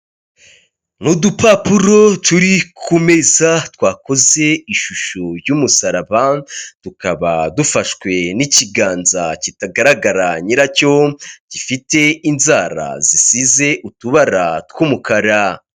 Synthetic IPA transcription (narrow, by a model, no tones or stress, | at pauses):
nudupapuɾo̞tuɾikʰume̞zatwaːko̞ze̞iʃuʃojuːmusaɾaβad̥ukaβa̰dufaʃkwe̞niciɡaːnzacitaɡaɾaɡaɾaɲiɾaco̞ɟ̥ifite̞inzaːɾa̰zisize̞ʔutuβaɾatkwuːmukaɾa